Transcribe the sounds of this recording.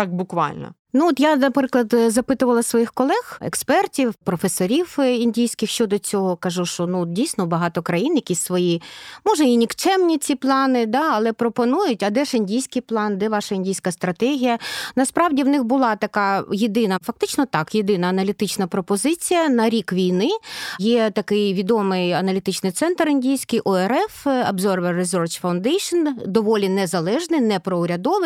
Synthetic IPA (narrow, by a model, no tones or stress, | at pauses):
t̪ɑk̚bʊkʋɑ̰lʲnɔ̰ | nuɔt̪janɐpɾɪklˠɐd̪zɐpɪt̪ʊʋɐlˠɐsʋɔjixkɔlˠɛxɛ̰kspɛrtʲiwpɾɔfesɔɾʲiwinʲdʲijsʲkɪxʃt͡ʃɔd̪ɔt͡sʲɔɦɔkɐʒuʃt͡ʃɔnudʲijsʲnɔbɐɦɑt̪ɔkɾɐjinjɐkʲisʲsʋɔjimɔʒɛinʲikt͡ʃɛmnʲit͡sʲiplˠɑnɪd̪ɑɐlˠɛpɾɔpɔnujʊtʲɐd̪ɛʃɪnʲdʲijsʲkɪjplˠɑnd̪ɛʋɑʃɐinʲdʲijsʲkɐst̪ɾɐt̪ɛɦʲijɐnɐspɾɑwdʲiwnɪxbʊlˠɑt̪ɐkɑjed̪ɪnɐfɐkt̪ɪt͡ʃnɔt̪ɑkjed̪ɪnɐːnɐlʲit̪ɪt͡ʃnɐpɾɔpɔzɪt͡sʲijɐnɐɾʲikʋʲijnɪjɛt̪ɐkɪjʋʲid̪ɔmɪjɐnɐlʲit̪ɪt͡ʃnɪjt̪sɛnt̪rɪnʲdʲijsʲkɪjʔɔɛɾɛfɐbzɔrʋɛrːɪzɔrt͡ʃfɐwnd̪ɛjʃɔnd̪ɔʋɔlʲinɛzɐlˠɛʒnɪnɛpɾɔʊɾʲɐd̪ɔʋɪ